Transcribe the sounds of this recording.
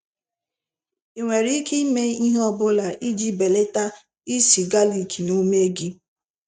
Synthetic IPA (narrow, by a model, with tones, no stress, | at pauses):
i˨ŋʷe˨ɾi˦kʰe˦me˦i˦ɦɔ˦˨bʊ˦la˨ʔi˦d͡ʒi˦be˨le˦ta˦ | i˦si˨ɡa˦li˨kʰi˨no˦me˦e˦ɡi˦